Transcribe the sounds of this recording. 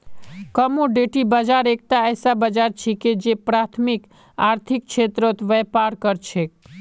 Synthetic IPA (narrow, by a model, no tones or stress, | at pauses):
kəmoɖeʈibəd͡ʒaɾek̚t̪aɛːsabəd͡ʒaɾt͡ʃʰiked͡ʒepɾat̪ʰmik | aːɾt̪ʰik̚t͡ʃʰet̪ɾət̪ʋɛpaɾkəɾt͡ʃʰek